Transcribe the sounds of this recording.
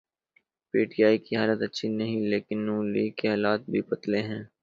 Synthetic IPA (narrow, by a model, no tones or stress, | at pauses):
piːʈijaːikiɦaːlət̪ɐtːʃʰinɐɦĩleːkɪnːuːliːkeɦɛːlaːt̪̚bʱibɐt̪leɦɛ̃ː